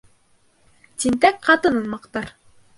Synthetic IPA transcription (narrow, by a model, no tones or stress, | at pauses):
t̪int̪ækqɑt̪ɤnɤ̆nmɑqt̪ɑɾ